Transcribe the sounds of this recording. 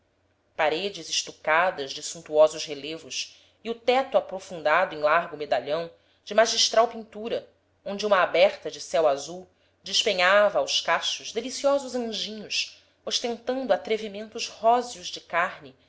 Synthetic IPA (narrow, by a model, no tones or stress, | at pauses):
paɾed͡ʒɪzɪʃt̪ukad̪ɐzd͡ʒɪsũnt̪uɔzʊʃhelevʊs | iʊt̪ɛt̪ʊapɾofũnd̪ad̪ʊẽj̃laɾɡʊmed̪aʎɐ̃w̃ | d͡ʒɪmaʒiʃt̪ɾawpĩnt̪uɾɐ | õñd͡ʒɪũmɐːbɛɾt̪ɐd͡ʒɪsɛwazuw | d͡ʒɪʃpeɲavɐːwʃkaʃʊʒd̪elisiɔzʊzɐ̃ʒĩɲʊʃ | oʃt̪ẽnt̪ɐ̃nd̪ʊat̪ɾevimẽnt̪ʊzhɔziʊʒd͡ʒɪkaɾnɪ